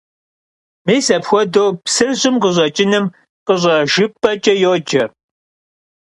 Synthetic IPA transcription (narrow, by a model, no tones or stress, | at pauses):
meːsɐpxʷɔdoːpsɨrʑɪmqəʑʷɐt͡ʃʼɪnɨm | qəʑʷʼɐʒɪpʼːɐt͡ʃʼɐjoːd͡ʒʼɐ